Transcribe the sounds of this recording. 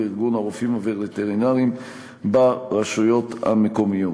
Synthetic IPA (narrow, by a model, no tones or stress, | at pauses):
iʁɡunaʁofimaveʁet̪eʁinaʁim | baʁaʃujo̞t̪ha̰mekomijo